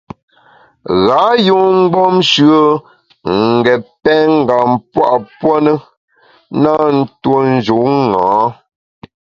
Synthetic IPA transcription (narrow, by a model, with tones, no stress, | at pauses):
ɣa˨˦jo˦˨ŋ͡m̩˦ɡ͡bɔ˦mʃɰə˦ | ŋ˨ɡɛ˨pɛ˦ŋ̩˦˨ɡa˨mpwa̰˦ʔpwɔ˦nə˦ | na˦n̩˦two˦n̩˦d͡ʒu˨˦ŋãː˨˦